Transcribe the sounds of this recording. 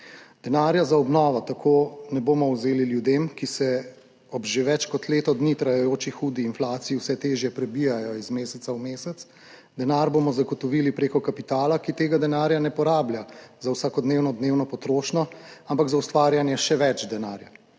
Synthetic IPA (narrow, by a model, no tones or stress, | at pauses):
d̪ɛnaːɾjazaɔbnɔːʋɔt̪akʰoːnɛboːmɔwzeːliljud̪eːmkisɛ | ɔbʒeʋɛt͡ʃkɔt̪leːt̪ɔd̪nit̪ɾajɛjoːt͡ʃixuːd̪iːnflaːt̪sijiwsɛt̪eːʒjɛpɾɛbijajɔizmeːsɛt̪sawmeːsɛt̪s | d̪ɛnaɾbomɔzaɡɔt̪ɔʋilipɾeːkɔkapit̪aːlakit̪eːɡad̪ɛnaːɾjanɛpɔɾaːbljazawsaːkɔd̪neːwnɔd̪neːwnɔpɔt̪ɾoːʃnɔampaɡzaust̪ʋaːɾjanjɛʃɛʋɛt͡ʃd̪ɛna̰ːɾja